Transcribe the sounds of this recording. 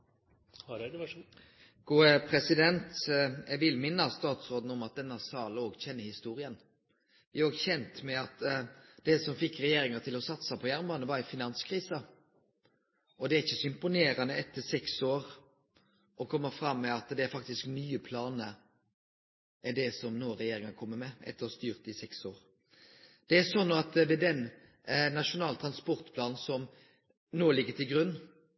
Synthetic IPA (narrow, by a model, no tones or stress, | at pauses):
ɡ̥uːəpʰɾɛsɪd̪ɛnt̪ɛɡʋɪlmɪnːəst̪ɑːt̪sɾoːd̪n̩ɔmɑt̪̚d̪ɛnːəsɑːloːɡçɛnːəhɪst̪uːɾɪən | ɪoːɡçɛnt̪mɛɑt̪d̪̥ɛːsɔmfɪkːɾɛjeːɾɪŋət̪ʰɪlɔsɑt̪sɑpʰɔjæɾmbɑnəʋɑɾɛfɪnɑnskʰɾiːsɑ | ɔd̪ɛæɾɪçːəsɔɪmpʊneːɾɑnəɛt̪ːəsɛksoːɾ | ʔɔkʰɔmːəfɾɑmːɛɑt̪d̪ɛæɾfɑk̚t̪ɪsknyːəpʰlɑːnə | ʔɛɖɛsɔmnoːɾɛjeːɾɪŋɑnkʰɔmːəmɛʔɛ̰t̪ːəɾɔst̪yːʁt̪̚d̪ɪsɛksoːɾ | d̪̥ɛæsɔnːoːɑt̪ʋɛd̪ɛn | nɑʂʊnɑːlt̪ʰɾɑnspɔɾt̪pʰlɑːnn̩sɔm | noːlɪɡːət̪ʰɪlɡɾʉnː